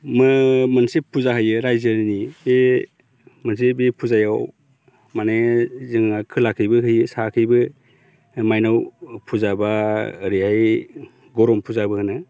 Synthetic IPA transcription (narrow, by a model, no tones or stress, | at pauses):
mɯmɯnsepʰːuzaɦɯjɯɾajzɯnibe | mɯns̬ebepʰuzajaw | manezɯŋakʰɯlakʰɯjbɯkʰɯjɯsakʰɯjbɯ | majnawpʰuzabaɾiaj | ɡɔɾɔmpʰuzabɯhɯnɯ